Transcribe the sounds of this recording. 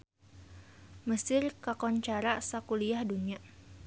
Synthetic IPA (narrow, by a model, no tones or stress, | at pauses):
məsɪrkakɔnt͡ʃaɾasakuliahdunia